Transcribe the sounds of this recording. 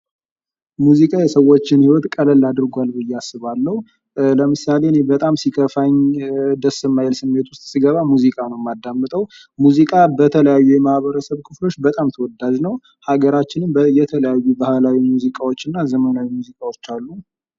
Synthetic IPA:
muzikʼajɛsəwːo̞t͡ʃːɪnhiwɔt̪kʼələlːad̪ɨɾɡʷalbɨjːɛasːɨβalːəhu | ləmɨsalenebət̪ʼamsikʰəfaɲd̪əsːɨmːajɛlsɨmːe̞t̪wʊst̪ʼsiɡəβamuzikʼanəwmːad̪ːamːɨt̪ʼəw | muzikʼabət̪ʰələjajːujɛmahβəɾəsəβkʰɨflo̞t͡ʃːbət̪ʼamt̪ʰəwɔd̪ːad͡ʒnəw | haɡəɾat͡ʃːɪnɨmbəjɛt̪ʰələjajːubahlawimuzikʼawot͡ʃːɨnːazəmənawimuzikʼawot͡ʃːalːu

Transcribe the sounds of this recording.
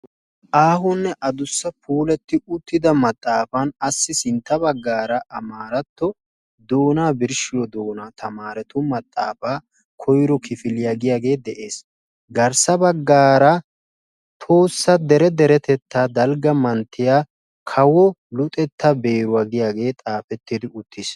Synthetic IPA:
ʔaːɦʊnːɛʔɐd̪ʊsːɐpʰuːlɛt̪ːɪʊt̪ːɪd̪ɐmɐt̪ʼːaːfɐnɐsːɪsɪnt̪ːɐbɐɡːaːɾɐʔɐmaːɾɐt̪ːɔ | d̪o̞ːnaːbɪɾʃɪjɔd̪o̞ːnaːt̪ʰɐmaːɾɛt̪ʊmɐt̪ʼːa̰ːfaː | kʰɔjɾɔkʰɪfɪlɪjaːɡɪjaːɡe̞ːd̪ɛʔe̞ːs | ɡɐɾsɐbɐɡːaːɾɐ | t̪ʰo̞ːsːɐd̪ɛɾɛd̪ɛɾɛt̪ɛt̪ːaːd̪ɐlɡɐmɐnt̪ːɪjaː | kʰɐwɔlʊt̪ʼɛt̪ʰːɐbe̞ːɾʊwaːɡɪjaːɡe̞ːt̪ʼaːfɛt̪ːɪd̪ɪʊt̪ʰːɪs

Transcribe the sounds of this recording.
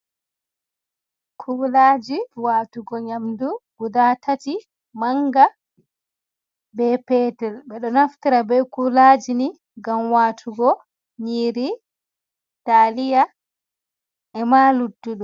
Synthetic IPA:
kʰulaːd͡ʒiwaːtuɡɔɲamduɡ̥udatʰati | maŋɡa | bɛːpɛːtɛlɓɛɗɔnaftiɾabɛkulaːd͡ʒini | ɡamwaːtʰuɡɔ | ɲiːɾi | talija | ʔɛmaːludːuɗu

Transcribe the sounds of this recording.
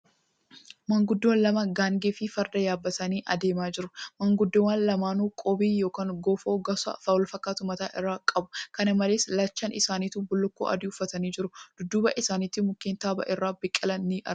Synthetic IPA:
mɐŋɡʊd̪ːoːnlɐmɐɡaːŋɡeːfɪfɐɾd̪ɐjaːbːɐt̪ɐniːʔɐd̪e̞ːmaːd͡ʒɪɾʊmɐŋɡʊd̪ːɪwaːnlɐmaːnuːkʼobiːjoːkaːŋɡoːfoːɡɐsɐ̰fɐwɔlfɐkːaːt̪ʊmɐt̪aːʔɪrːaːkʼɐbʊ̥kɐnɐmɐleːslɐt͡ʃːɐnʔɪsaːniːt̪ubʊlːʊkːo̰ːʔɐ̰d̪ɪʊfːɐt̪ɐniːd͡ʒɪɾʊd̪̥ʊd̪ːuːbɐ̰ʔɪsaːnɪːt̪ːɪmʊkːeːnt̪aːbɐ̰ʔɪrːaːbɪkʼːɪlɐnːiʔɐ

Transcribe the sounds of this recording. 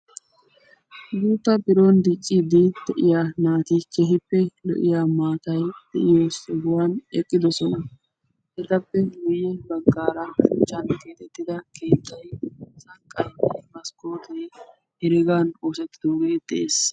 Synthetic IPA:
ɡuːt̪ːɐbɪɾond̪ɪt͡ʃʼːɪd̪ɪd̪ɛʔɪjaːnaːt̪ɪkɛɦɪpːɛlɔ̰ʔɪjaːmaːt̪ɐjd̪̥ɛʔɪjoːsɔɡʊwaːnɛkʼːɪd̪ɔsɔnɐ | hɛd̪ɐpːɛɡʊjːɛbɐɡːaːɾɐʊt͡ʃʼːɐnkeːt̪ɛt̪ːɪd̪ɐke̞ːt̪ːɐjsɐkʼːɐjɛmɐskoːt̪ɛ | hɛɾɪɡanoːsɛt̪ːɪd̪oːɡed̪̥ɛʔeːs

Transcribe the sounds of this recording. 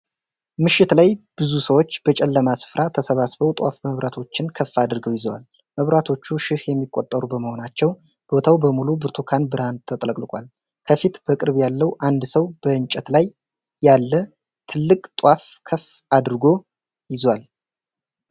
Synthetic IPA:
mɨʃːɪt̪lajb̥ɨzusəwo̞t͡ʃːb̥ət͡ʃʼɛlːəmasɨ̥fɾʔat̪ʰəsəβasbəwt̪ʼwa̰fməβɾʔat̪ʰo̞t͡ʃːɪnkʰəfːad̪ɨɾɡəwjɪzwal | məβɾat̪ʰo̞t͡ʃːuʃɪhjɛmːikʼːot̪ʼːəɾubəməho̞nat͡ʃːɛw | b̥o̞t̪ʰawbəmulubɨɾt̪ʰokʰanbɨɾant̪ʰət̪ʼləkʼlɨkʼal | kʰəfit̪b̥əkʼɨɾβjalːəwʔand̪səwb̥əɨnt͡ʃʼːɛt̪lajː | alːə | t̪ʰɨlːɨkʼt̪ʼwafkʰəfad̪ɾɨɡo̞ | jɪzwal

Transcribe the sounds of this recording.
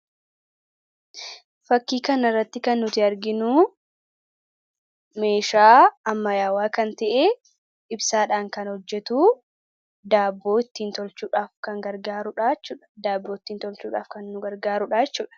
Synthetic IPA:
fɐkːiːkɐnɐrːɐt̪ːɪkɐnːʊt̪ɪɐɾɡɪnuː | me̞ːʃaːɐmːɐjaːwaːkɐnt̪ɐʔeː | ʔɪbsaːᶑaːŋkɐnhɔd͡ʒːɛt̪uː | d̪aːbːo̞ːɪt̪ːiːnt̪ɔlt͡ʃːuːᶑaːfkɐŋɡɐɾɡaːɾʊᶑaːt͡ʃːuːᶑɐ̥d̪aːbːoːɪt̪ːiːnt̪ɔlt͡ʃuːᶑaːfkɐnːʊɡɐɾɡaːɾʊᶑaːt͡ʃːuːᶑɐ̥

